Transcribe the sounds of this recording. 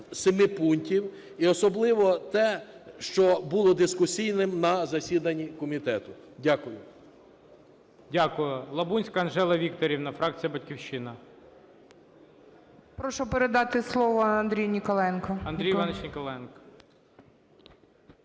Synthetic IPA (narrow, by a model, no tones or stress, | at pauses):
semɪpunʲtʲiw | iɔsɔblˠɪʋɔt̪ɛʃt͡ʃɔbulˠɔd̪ɪskʊsʲijnɪmnɐzɐsʲid̪ɐnʲːikɔmʲit̪ɛt̪ʊdʲakʊjʊ | dʲakʊjʊlˠɐbunʲsʲkɐːnʒɛlˠɐʋʲikt̪ɔɾʲiwnɐfɾɑk̚t͡sʲijɐbɐt̚ʲkʲiwʃɪnɐ | pɾɔʃɔpeɾed̪ɑt̪ɪslˠɔʋɔɐnd̪ɾʲijnʲikɔlˠɛnkɐɐnd̪ɾʲijʋɑnet͡ʃnʲikɔlˠɛnkɐ̥